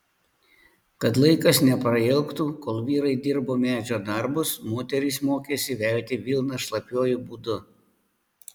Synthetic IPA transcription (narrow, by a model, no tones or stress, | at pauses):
kɐt̪lˠɐɪkɐsnʲɛpɾɐɛlˠkt̪uːkoːlˠʋʲiːɾɐɪd̪ʲɪɾboːmʲæːd͡ʒʲoːd̪ɐɾbʊsmoːt̪ʲɛɾʲismoːkʲeːsʲɪʋʲɛˑlʲt̪ʲɪʋʲilˠnɐʃlˠɐpʲjoːjuˑbuːd̪ʊ